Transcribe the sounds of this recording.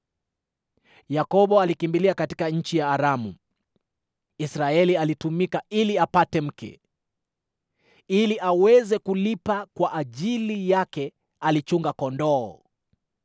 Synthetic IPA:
jakɔɓɔalikimbiliakatikaɲ̩t͡ʃijaːɾamṵ | isɾaɛlialitumikailiapatɛm̩kɛ̰ | iliʔawɛzɛkulipakwaʔaʄilijakɛ | alit͡ʃuŋɡakɔndɔː

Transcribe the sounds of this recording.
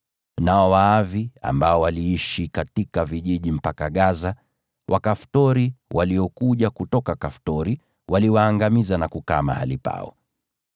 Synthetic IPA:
naɔwaavia̰mbaɔwaliiʃikatikaviʄiʄim̩pakaɠaza | wʔakaftɔɾiwaliɔkuʄakutɔkakaftɔɾi | wʔaliwaːŋɡamizanakuka̰ma̰halipa̰ɔ̰

